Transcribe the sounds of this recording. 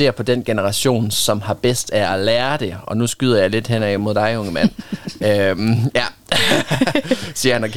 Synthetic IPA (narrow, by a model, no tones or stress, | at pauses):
e̝ːɐ̰pʰɒ̽d̥en̰ɡ̥enəʁɑ̈ɕo̝̰ːnsɒ̽mhɑ̈b̥esd̥æælæːɐd̥e̝ɒ̽nusɡ̥yðˠɐjɑ̈ɪle̝d̥hen̰ɛɪmo̝ð̞̰ˠd̥ɑ̈ɪɔ̽ŋəmæn̰ømjæ | siɐhænɒkʰ